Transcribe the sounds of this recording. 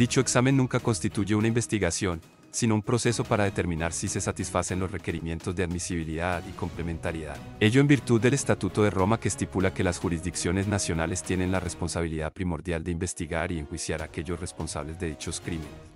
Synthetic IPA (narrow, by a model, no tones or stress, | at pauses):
d̪̥it͡ʃo̞eksame̞nːũŋkako̞nst̪it̪uʝe̞unaimbest̪iɣasjo̞n | sino̞umpɾo̞se̞so̞paɾaðe̞t̪e̞ɾmĩnaɾsise̞sat̪isfase̞nlosre̞ke̞ɾimje̞nt̪o̞zd̪e̞aðmisiβ̞iliðaðiko̞mple̞me̞nt̪aɾjeða̰ð | e̞ʝo̞e̞mbiɾt̪uðːe̞le̞st̪at̪ut̪o̞ðe̞ro̞make̞ːst̪ipulake̞lasxuɾizd̪iksjo̞ne̞znasjo̞nale̞st̪je̞ne̞nlare̞spo̞nsaβ̞iliðapɾimo̞ɾd̪jald̪e̞imbe̞st̪iɣaɾie̞ŋxwisjaɾake̞ʝo̞sre̞spo̞nsa̰βle̞zd̪e̞ðit͡ʃo̞skɾime̞nes